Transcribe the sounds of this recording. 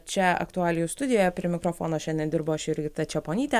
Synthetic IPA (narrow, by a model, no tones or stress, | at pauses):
t͡ʃʲɛɐ̰kt̪ʊɑːlʲɪjʊst̪ʊd̪ʲɪjoːjɛpʲɾʲɪmʲɪkɾoːfoːnoːʃʲɛnd̪ʲɛnd̪ʲɪɾboːɐʃɪɾʲɡʲɪt̪ɐt͡ʃʲɛpoːnʲiːt̪ʲɛ